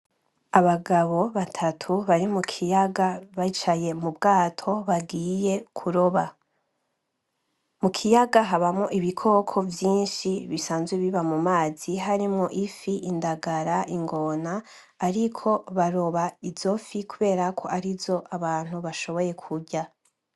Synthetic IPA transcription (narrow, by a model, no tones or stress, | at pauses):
aβaɡaβo̞βatʰatʰuβaɾimukʰijaɡaβait͡ʃaje̞mubɡaːtʰo̞βaɡiːje̞kʰuɾo̞βa | mukʰijaɡaɦaβamŋoʔiβikʰo̞ːkʰo̞vjiːnʃiβisaːnzɡwiβiβamumaːz̥iɦaɾimŋoʔifiʔːndaɡaɾaʔiŋɡo̞naː | ɾikʰo̞βaɾo̞βaizo̞fikuβe̞ːɾakʰoʔaɾizo̞ʔaβaːn̥huβaʃo̞βo̞je̞kʰuɟa